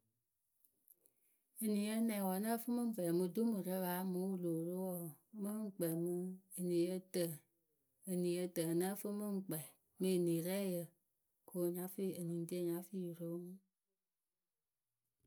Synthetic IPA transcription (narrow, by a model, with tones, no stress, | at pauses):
ə˨nĩ˨jə˦nɛ̃˨wɔ˨nə˦fɨ˦mɨ˦m̩˦vɛ˨mɨ˧du˦mɨ˨ɾə˦βa˨˦mu˨˦u˦lo˨ɾo˦wɔ˦˨˦mə˦ŋ͡m̩˨k͡pɛ˨mɨ˧ə˨nĩ˨jə˧˦tə˨ | ə˨nĩ˨jə˧tə˨nə˦fɨ˦mɨ˦ŋ͡m̩˦k͡pɛ˨ | mɨ˦˨nĩ˨ɾɛ˦jə˨ | kʰo˨ɲa˨˦fi˦˨ə˨nĩ˨n˦ti˦ə˦˨ɲa˨˦fi˦˨jɾo˦mɨ˦